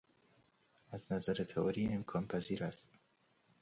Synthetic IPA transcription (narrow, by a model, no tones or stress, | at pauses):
æznæzæɾet̪ʰeɒːɾiːemkʰɒːnpʰæziːɾæst̪